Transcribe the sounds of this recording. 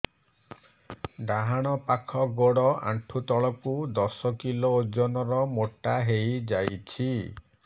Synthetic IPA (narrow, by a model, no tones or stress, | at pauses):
ɖaɦaɽ̃ɔpakʰɔɡoɽɔa̰ʈʰut̪ɔɭɔkud̪ɔsɔkilod͡ʒɔnɔɾɔmoʈːaɦejd͡ʒajt͡ʃʰi